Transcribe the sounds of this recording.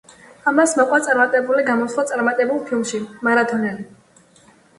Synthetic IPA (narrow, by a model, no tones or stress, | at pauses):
amasmɔkʼwat̪sʼaɾmat̪ʼɛbuliɡamɔswlˠat̪sʼaɾmat̪ʼɛbulˠpʰilˠmʃimaɾat̪ʰɔnɛli